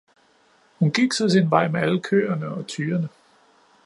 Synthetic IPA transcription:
hunɡ̥iɡ̥sɒ̽t͡sinʋɑ̈ɪ̰meæləkʰø̰ːɐnəɒ̽t͡sʰyːɐnə

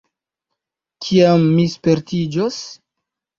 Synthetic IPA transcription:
kʰiamːispe̞ɾtid͡ʒos

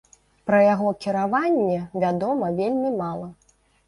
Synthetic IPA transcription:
pɾɐjaɣɔkʲiɾavanʲːɛvʲad̪ɔmɐvʲelʲmʲimalˠɐ

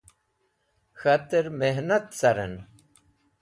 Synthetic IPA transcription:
xɐt̪əɾmeɦnɐt̪sɐɾḛn

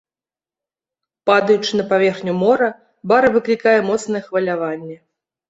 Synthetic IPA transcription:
pad̪ɐjut͡ʂɨnɐpavʲɛrxnʲumɔɾɐ | baɾɐvɨklʲikajɛmɔt̪snɐjɛxvɐlʲavanʲːɛ

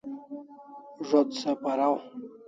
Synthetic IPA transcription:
ʐod̪sapaɾaw

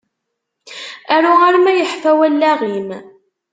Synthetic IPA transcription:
æɾʊʁaɾmæjəħfæwælːæʁim

